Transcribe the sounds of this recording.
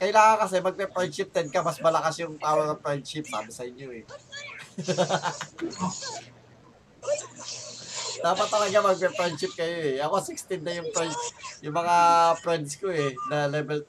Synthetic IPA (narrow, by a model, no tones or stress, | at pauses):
kɐʔɪlaːŋɐŋkɐsɛmɐɡ̚pɛpɾɛnd̪ʃɪp̚t̪ɛd̪̚kɐmɐsmɐlɐkasjʊŋt̪aːwɐɐpɹɛnd̪̚ʃɪp̚d̪a̰ːmɪsɐʔɪɲjo̞ʔɛ | t̪aːmɐt̪ːɐlɐɡamɐɡ̚pɛpɾɛnd̪ʃɪp̚kɐjo̞ɛʔɐkosɪkst̪ɪnd̪ɐjʊŋpɾɛnd̪sjʊŋmɐŋapɹɛnd̪skoɛnɐlɛbɛl